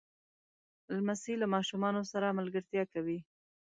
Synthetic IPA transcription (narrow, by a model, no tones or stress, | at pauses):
lmasilamɑʃumɑnosaɾamalɡəɾt̪jɑkawi